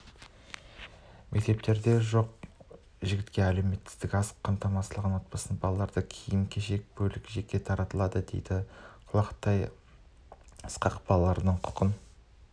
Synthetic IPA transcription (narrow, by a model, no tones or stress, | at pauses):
mʔe̞k̚t̪e̞p̚t̪e̞ɾd̪e̞ʒo̞q | ʒɪɡʲɪt̪kʲe̞æle̞me̞t̪ːɪ̥zd̪ɪkʲɑsqʰːɑmt̪ɑmɑslˠəʁənwo̞t̪̚pɑsənbɑlˠɑlˠɑɾd̪əkʲʰijɪŋkʲʰeʃe̞k̚bɵlɪkʲʒe̞kʲːe̞t̪ʰɑɾɑt̪əlˠɑd̪əd̪ejd̪̥ɪqʰʊlˠɑqt̪ɑj | ə̥sqɑqbɑlˠɑlˠɑɾənəɴqʰʊ̥qən